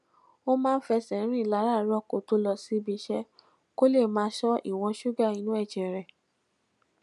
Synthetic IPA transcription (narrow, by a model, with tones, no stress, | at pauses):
o˦mãː˦n̩˦fɛ˧sɛ̃˨˦ɾ̃ĩ˦˨la˨˦ɾa˦˨˦ɾɔ˦˨ko˨to˦lɔ˧˨si˦bi˧˦ʃɛ˦ | ko˦le˦˨mãː˦ʃɔ˦ḭ˦˨w̃ɔ̃˧ʃu˦ɡa˦˨ĩ˧˦nũ˦ɛ˦˨d͡ʒɛ˨ɾɛ˨